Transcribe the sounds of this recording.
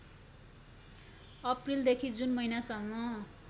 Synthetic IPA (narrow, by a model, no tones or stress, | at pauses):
ʌprild̪ekʰid͡zunmʌjnasʌŋːʌ